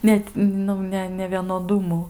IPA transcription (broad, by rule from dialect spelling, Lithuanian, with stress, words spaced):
ˈnʲɛt ˈnʊ nʲɛ nʲɛʋʲiɛnoːˈdʊmʊ